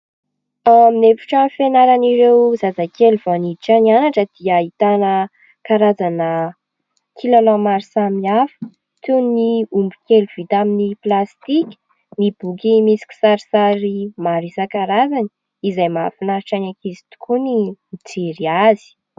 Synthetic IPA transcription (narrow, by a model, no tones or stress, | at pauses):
aminefi̥ʈ͡ʂamfenaɾaniɾewzazakʰeluv̥oaniʈ͡ʂanianaʈ͡ʂəd̪̥iəit̪anə | kaɾad͡zanə | kʰilalamaɾisamiafə̥ | t̪uniumbi̥keluv̥it̪aminiplast̪ikʲ | mib̥ukimisi̥kʲi̥saɾisaɾimaɾisakaɾazani̥ | izajmafinaɾiʈ͡ʂaɲakizi̥t̪u̥kʰunimit͡seɾiazi̥